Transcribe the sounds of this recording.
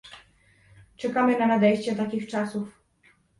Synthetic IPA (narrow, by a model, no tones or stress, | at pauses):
t͡ʂɛkamɘnanad̪ɛjɕt͡ɕɛt̪akʲixt͡ʂasuf